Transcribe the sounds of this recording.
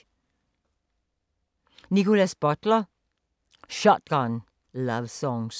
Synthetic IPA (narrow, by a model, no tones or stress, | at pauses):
nikʊlasb̥ɔtlə | ʃɔt̚ɡ̥ɑn | lʌʋsɔ̃ŋs